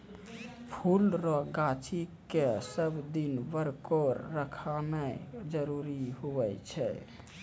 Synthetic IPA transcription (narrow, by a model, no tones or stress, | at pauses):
pʰulɾɔɡat͡ʃʰikesəbd̪inbəɾkoɾːəkʰamed͡ʒəɾuɾiɦuɛt͡ʃʰɛ